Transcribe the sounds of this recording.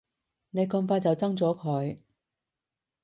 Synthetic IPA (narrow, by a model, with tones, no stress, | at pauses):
ne˨˧jkɔ˧ŋfaː˧jt͡sɐ˨wt͡sɐ˥ŋt͡sɔː˨˥kʰɵ˨˧˥ɥ